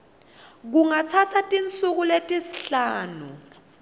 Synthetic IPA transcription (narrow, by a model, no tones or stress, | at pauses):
k̬uŋat͡sʰat͡sʰatʼint͡sʼuk̬uletʼisi̥ɬaːnṵ